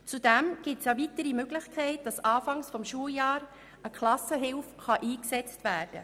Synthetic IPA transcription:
t͡sud̥ɛmɡ̥ɪtsjavitəɾimøɡlɪxkʰɛɪt̚d̥ɑsɑːfɑŋsfɔmʃuəljɑːɾ | əkʰlɑsəɦɪlfχɑʔiːksɛt͡stvæːrd̥ə̰

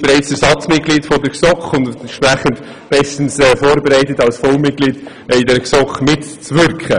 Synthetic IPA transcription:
b̥eɾɛɪt͡sɛɾsɑt͡smɪt̚kliːtfɔdəɾksɔkχʊndʃpæχənt | b̥ɛstən̩sɛfoːɾbeɾæɪtətɑlsfɔʊmɪt̚ɡ̥liːd̥ | ɪdɛɾksɔkχmɪtt͡svʏɾkχə

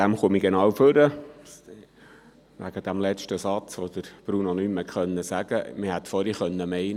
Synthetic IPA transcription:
dæmχumiɡenɑːwføɾə | ʋæ̰ɡəd̥̪æmlɛt͡ʃtəsɑt͡sʋod̪̥əɾb̥ɾunonyːməkχœnːəsæɡ̥əmɪhæt̪fɔɾiχœnːəmɛɪn

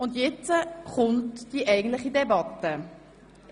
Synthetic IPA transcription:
ʊndjɛt͡səχʊntd̥iʔɛɪɡəntlɪχidɛbɑtːə

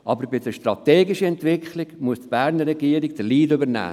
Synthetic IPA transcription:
ʔɑbəɾbɪdəʃtɾɑt̪ɛːɡɪʃəɛnt̪ʋɪkχlɪɡmuəstb̥æːɾnəːɛɡiəɾɪɡd̥̪əliːdʏbəɾnæ̰ː

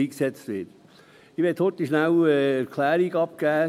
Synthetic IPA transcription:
iːksɛt͡st̪ʋɪt | ɪʋɛthɔt̪iʃnæwɛæɾkʰlæːɾiɡɑp̚kæː

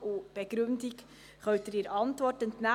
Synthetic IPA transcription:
ub̥ɛɡ̥ɾɵndik | χœɥtəɾɪɾɑntʋɔrtəntna

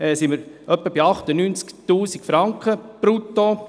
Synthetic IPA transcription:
ɛːsiməɾ | œpːəbiɑχt̪ənyːnt͡skt̪uːsikfɾɑŋkχəpɾut̪ːo

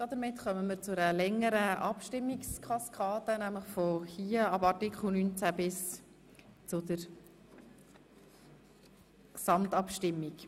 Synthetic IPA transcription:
d̥ɑd̪əɾmɪtχœməməɾt͡sʊɾəlɛŋːəɾəʔɑpʃtɪmːikskʰɑskʰɑːdənæmləχfɔhiːəɑbɑɾtikχl̩ˠnynt͡sæbɪs | t͡sʊd̪əɾ | ksɑmtɑpʃtɪmːik

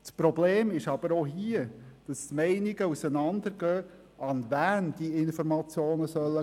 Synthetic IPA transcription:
t͡spɾɔbleːmɪʃɑb̥əɾoɦiəd̥ɑstmɛɪnɪɡəusənɑnd̪əɾɡ̥œː | ʔɑnvæːnd̥̪iɪnfɔɾmɑt͡sjoːnəsœlːə

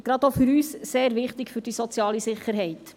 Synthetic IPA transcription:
ɡ̥ɾɑd̪ofʏɾyːsseːɾʋɪχt̪ɪkfʏɾd̥isɔt͡sjɑːlisɪχːəɾɦɛɪt̪

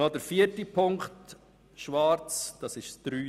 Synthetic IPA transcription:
ɔdəɾfiətipʰʊŋkt | ʃʋɑːɾt͡sd̥ɑsɪʃsd̪̥ɾyː

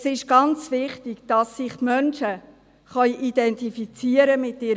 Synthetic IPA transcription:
sɪʃɡ̥ɑnt͡sʋɪχtɪɡd̥ɑsːɪχmœnʃə | χœʏʔidɛntifit͡siəɾəmɪtːɪɾ

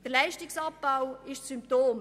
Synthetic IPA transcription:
d̥əɾlɛɪʃtɪksɑp̚b̥aʊɪʃsymp̚toːm

